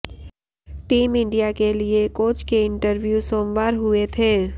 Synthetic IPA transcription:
ʈiːmɪ̃ɳɖijakeliekoːt͡ʃkeɪ̃ɳʈəɾʋjusoːmʋaːɾɦʊet̪ʰeː

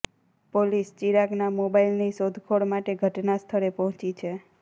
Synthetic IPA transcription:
polist͡ʃiɾaɡnamobailnisod̪ʱkʰoɽmaʈeɡʱəʈnast̪ʰəɾepɔɦɔ̃t͡ʃit͡ʃʰe

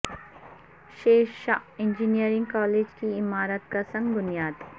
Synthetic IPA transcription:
ʃeːʃʃaɪ̃nd͡ʒinijəɾɪ̃ŋɡkɔːleːd͡ʒkiɪmaːɾət̪̚kasɐ̃ŋɡɡʊnjaːt̪

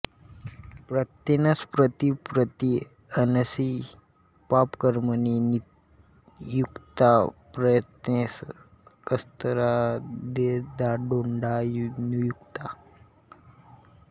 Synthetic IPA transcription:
pɾət̪enaspɾət̪ipɾət̪i | ənəsi | papkəɾmənin | jukt̪apɾəjət̪nes | kəst̪əɾad̪ed̪aɖoɳɖajnujukt̪a

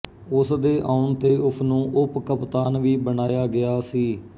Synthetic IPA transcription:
ʊsd̪eːʔaːʊnt̪eːʔʊsʰnũːʔʊpkəpt̪aːnʋiːbənaːjaːɡɪjaːsiː

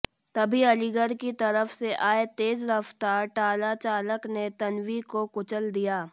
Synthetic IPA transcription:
t̪ɐbʱiɐliɡəɾkit̪ɐɾəfseʔaːet̪eːzɾɐft̪aːɾʈaːlat͡ʃaːləknet̪ɐnwikokʊt͡ʃəld̪ijaː

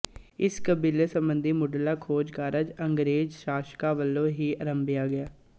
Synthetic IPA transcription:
ɪskəbiːlesəmbənd̪iːmʊɖəlaːkʰoːd͡ʒkaːɾəd͡ʒəŋɡɾeːd͡ʒʃaːʃkaːʋəlːõːɦiːəɾəmbɪjaːɡɪjaː

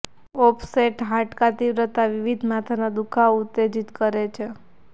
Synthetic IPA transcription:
ɔpʰseʈɦaʈkat̪iʋɾət̪aʋiʋid̪ʱmat̪ʰanad̪ukʰaut̪ːed͡ʒit̪kəɾet͡ʃʰe

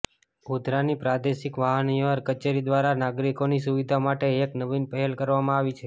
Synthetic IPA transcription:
ud̪ʱɾanipɾad̪eʃikʋaɦəniʋəɾkət͡ʃeɾid̪ʋaɾanaɡɾikonisuʋid̪ʱamaʈeeknəʋinpəɦɛlkəɾʋamãaʋit͡ʃʰe

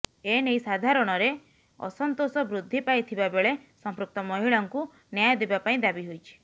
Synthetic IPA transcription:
enejsad̪ʱaɾɔɽ̃ɔɾe | ɔ̰sɔnt̪osɔbɾud̪ʱːipajt̪ʰibabeɭesɔmpɾuk̚t̪ɔmɔɦiɭɔŋku | njajɔd̪ebapaĩd̪abiɦojt͡ʃʰi̥

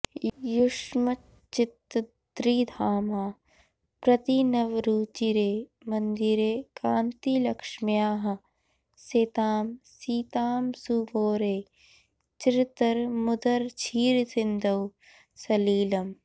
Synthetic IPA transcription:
jʊʂmɐ | t͡ʃɪt̪ | d̪ɾiːd̪ʱaːmaː | pɾɐt̪inɐʋɾuːt͡ʃiɾeːmɐnd̪iɾeːkaːnt̪ilɐkʂmijaːɦɐ | seːt̪aːmsiːt̪aːmsuːboːɾeː | t͡ʃɾɪt̪əɾmʊd̪ɐɾt͡ʃʰiːɾsɪnd̪ʱɐw | sɐliːlɐm

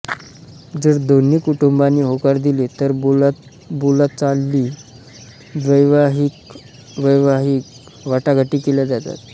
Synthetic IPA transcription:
d͡zəɾd̪onːiːkuʈumbanːiːɦokaɾd̪ilet̪əɾl | bulat͡salːiː | d̪ʋəjʋaɦik | ʋəjʋaɦiːk | ʋaʈaɡʱaʈiːkeljad͡zat̪a̰t̪̚

